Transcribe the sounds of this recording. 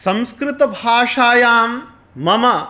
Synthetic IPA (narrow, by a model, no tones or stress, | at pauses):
sɐmskɾɪt̪ɐbʱaːʂaːjaːmː | ɐmɐ